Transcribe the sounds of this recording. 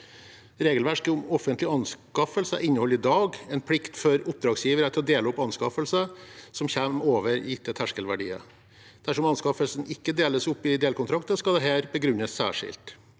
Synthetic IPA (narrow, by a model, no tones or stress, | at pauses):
ɾeːɡəlʋæʂkəʊmɔfənt̪lɪɑnskɑfəlsə̰ʔɪnːəhɔlːɪd̪ɑːɡɛnpʰlɪkt̪fɔɾʊp̚d̪ɾɑːɡsjiːʋəɾət̪ʰlɔd̪eːləɔpɑnskɑfəlsəsɔmçɛmːoːʋəɾɪt̪ːɛt̪ʰæʂkəlʋæɖḭːə̰ | d̪̥æʂɔmɑnskɑfəlsn̩ɪkːəd̪eːləsʊpːɪd̪eːlkʊnt̪ɾɑkt̪əskɑld̪ɛɦæːɾbəɡɾʉnːəsːæ̰ːʂɪ̰lt̪